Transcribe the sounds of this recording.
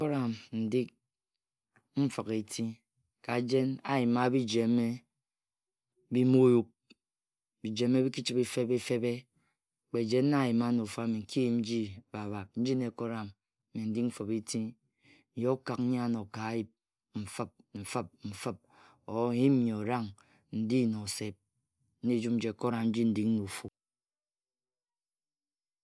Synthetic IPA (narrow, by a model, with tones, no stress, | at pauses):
ko˦ɾa˨mn̩˨di˦k̚ | m̩˦fə˨ke˨tʰi˦ | ka˨d͡ʒe˦na˦ji˨ma˦bi˦d͡ʒe˨me˦ | bi˦mo˦ju˦k̚ | bi˨d͡ʒe˨˦mːe˦bi˦ki˦t͡ʃi˦be˦fe˦be˦fe˦be˦˨ | k͡pe˨d͡ʒe˦nː˦a˦˨ji˨ma˦no˨fa˦mi˨ŋ̩˨ki˦˨n̩˦d͡ʒi˦ba˨βa˨k̚n̩˦d͡ʒi˦ne˨ko˦ɾa˨m˨ | mi˨n̩˦di˦km̩˦fɔ˨pe˦ti˦˨ | jka˨kn̩˦ɲa˦˨no˨ka˨˦ji˦p̚ | m̩˨fɨ˦p̚ɱ̩˨fə˦p̚m̩˨fə˦p̚ | o˨˦˨i˦m̩˦ɲe˨o˨ɾa˦ŋ | n̩˨di˦˨no˨se˨p̚ | n̩˦ni˦d͡ʒu˦m̚n̩˦d͡ʒe˨ko˦ɾa˨mn̩˦d͡ʒi˦n̩˦˨di˦k̚nu˨fu˨